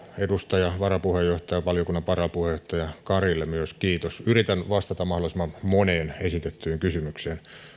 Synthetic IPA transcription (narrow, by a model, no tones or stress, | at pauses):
edust̪ɑjɑʋɑrɑpuhejːoht̪ɑjɑʋɑljokunːɑʋɑrɑpuhejoht̪ɑjɑkɑrilːemyøskiːt̪osyrit̪ænʋɑst̪ɑt̪ɑmmɑhdolisemːɑmmoneːnesit̪et̪ːyːŋkysymykseːn